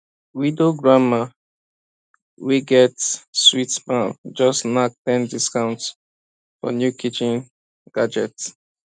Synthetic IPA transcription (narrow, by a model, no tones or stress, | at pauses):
wĩdoɡɹama | wiɡɛtswitmãnd͡ʒɔsnak̚tɛ̃ndiskãʊ̃nts | fɔ̰njukʰit͡ʃĩn | ɡ̥ad͡ʒɛt